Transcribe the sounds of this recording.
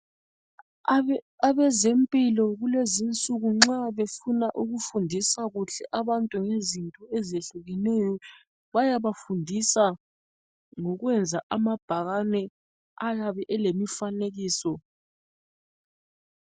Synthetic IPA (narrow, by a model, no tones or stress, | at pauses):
aβɛzempʼilɔɣulezint͡sʼuɣuŋ͡ǁaβefunaʔuɣufundʱisaɣuɬɛʔaβantʼuŋezintʼɔɛzeɬuɣɛnɛjɔ | βajaβafundʱisa | ŋɔɣwɛnd͡zʱaʔamab̥ʱaɣanɛ | ajaβɛʔɛlemifaneɣiːsɔ